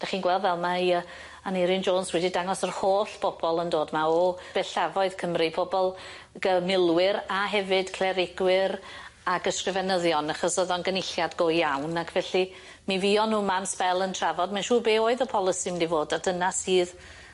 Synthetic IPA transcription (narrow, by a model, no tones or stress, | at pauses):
d̥aχiːnɡwɛlˠdvɛlˠmaiə | anɪɾɪnd͡ʒoːnswɛdidaŋɔsərhoːɬb̥ɔbɔlˠəndoːdmaɔb̥ɛɬavɔɨð̥kʰəmripʰɔbɔlˠ | ɡ̥əmɪlˠwɪɾaɦɛvɨd̥kʰlɛɾɪɡ̥wɪɾaɡəskrɪvɛnəðjɔnaχɔsoðɔnɡənɪɬjadɡoːjjawnakʰvɛɬi | miviːɔnuːmamspɛlˠəntʰravɔdmanʃuːbeːoːɨðəpʰɔlˠəsimɛdivoːdad̥ənasiːð